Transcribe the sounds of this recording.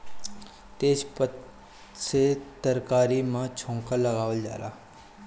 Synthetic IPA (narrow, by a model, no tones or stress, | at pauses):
t̪eːd͡ʒpət̪ | set̪əɾkaːɾimãt͡ʃʰõːŋkəlːəɡaːʋəld͡ʒa̰ːla̰ː